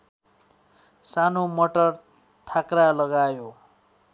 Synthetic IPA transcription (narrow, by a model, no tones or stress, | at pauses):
sanomʌʈʌr | t̪ʰakralʌɡajo